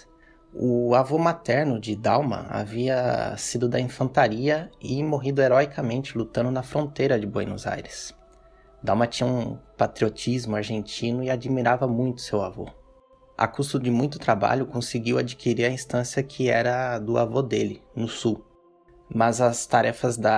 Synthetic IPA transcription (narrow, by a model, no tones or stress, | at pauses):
ʊavomat̪ɛɾnʊd͡ʒɪd̪awmɐ̰a̰viɐsid̪ʊd̪ɐĩfɐ̃nt̪aɾiɐɪmoɦid̪ʊeɾɔjkʰɐmẽnt͡ʃɪlut̪ɐ̃nd̪ʊnɐfɾõnt̪ejɾɐd͡ʒɪbwḛjnʊ̰za̰jɾɪs | d̪awmɐt͡ʃĩɲɐũpat̪ɾiot͡ʃizmʊaɾʒẽnt͡ʃĩnʊɪad͡ʒimiɾavɐmũj̃t̪ʊ̥sewavo̰ | ʔa̰kusʊd͡ʒɪmũj̃t̪ʊ̥t̪ɾaba̰ʎʊkõsɪɡiwad͡ʒikʰiɾiɾɐĩst̪ɐ̃sjɐkʰɪɛɾɐd̪ʊa̰vod̪elɪnʊsuw | mɐzɐst̪aɾɛfɐzd̪ɐ